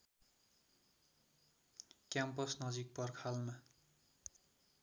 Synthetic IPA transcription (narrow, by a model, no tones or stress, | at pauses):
kjampʌsnʌd͡zik̚pʌrkʰalma